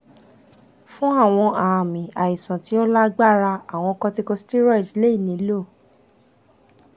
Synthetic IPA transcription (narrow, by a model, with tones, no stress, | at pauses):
fũ˦a˦˨w̃ɔ̃˧a˨mĩ˨a˨i˨sã˨ti˨˦o˦la˦ɡ͡ba˦˨ɾa˧a˨w̃ɔ̃˧kɔ̃˧ti˧˦ko˧sti˦ɾɔ˦˨d͡ʒi˨˦le˦i˦˨nĩ˨˦lo˦˨